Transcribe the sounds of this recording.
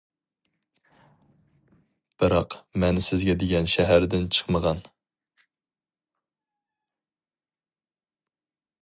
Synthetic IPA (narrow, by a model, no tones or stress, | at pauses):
b̥ɨɾɑqmɛnsɪzɡʲɛd̪eɡʲɛnʃɛɦæɾd̪ɪnt͡ʃʰə̥χməʁɑn